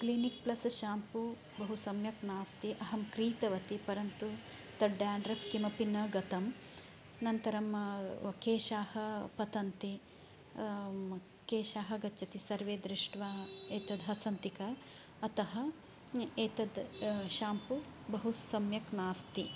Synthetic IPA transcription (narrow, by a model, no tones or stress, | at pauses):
klinik̚plɐsʃaːmpu | bɐɦusɐmjɐknaːst̪iʔɐɦɐmkɾiːt̪ɐʋɐt̪ipɐɾɐnt̪u | t̪ɐɖːaːɳɖɾɐfk̪imɐpinːɐɡɐt̪ɐm | nɐnt̪ɐɾɐmkeːʃaːhɐpɐt̪ɐnt̪i | keːʃaːɦɐ̆ɡɐːt͡ʃɐt̪isɐɾʋeːd̪ɾiʂʈʋaːeːt̪ɐd̪ɦɐsɐnt̪ikɐː | t̪ɐɦɐ̆ | eːt̪ɐd̪ʃaːmpubɐɦusɐmjɐknaːst̪i